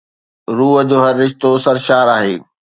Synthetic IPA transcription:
ɾuːəd͡ʑoːɦɐɾːɪʃt̪osɐɾʃaːɾaːɦḛː

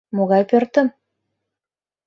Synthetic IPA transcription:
moɣɑjpørt̪ə̆m

